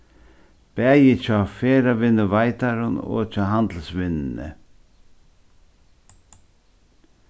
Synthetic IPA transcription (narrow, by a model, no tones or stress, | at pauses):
pɛːjɪt͡ɕʰafeːɾavɪnːʊvajt̪aɾʊnɔ̰t͡ʃʰaːɦand̪l̩svɪnɪnɪ̰